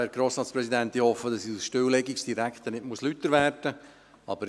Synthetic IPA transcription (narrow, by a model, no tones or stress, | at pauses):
ɛɾɡ̥ɾoːsɾɑːtspɾɛsid̪ænt̪ihɔfːəd̥ɑsiusʃtʏwlɛɡiksd̥iɾækt̪ənɪtmuəslytːəɾvæɾtə | ɑ̰bəɾ